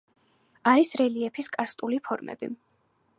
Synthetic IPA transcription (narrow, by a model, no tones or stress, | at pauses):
aɾisɾɛliɛpʰiskʼaɾst̪ʼulipʰɔɾmɛ̰bḭ